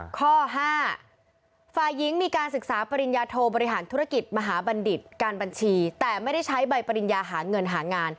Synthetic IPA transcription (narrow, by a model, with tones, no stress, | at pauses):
kʰɔː˥˩ɦaː˥˩ | faː˨˩jːi˦˥ŋmiː˧kaː˧nsɯ˨˩k̚saː˩˦pa˧ɾi˨˧njaː˧t̪ʰoː˧bɔː˧ɾi˦˥ɦaː˩˦nt̪ʰu˦˥ɾa˥˧˩ki˨˩t̪̚ma˧ɦaː˩˦ba˧ndi˨˩t̪̚kaː˧nba˧nt͡ɕʰiː˧t̪ɛː˨˩ma˥˩jda˥˩jt͡ɕʰa˦˥jba˧jpa˧ɾi˨˧njaː˧ɦaː˩˦ŋɤ˧nɦaː˩˦ŋaː˧n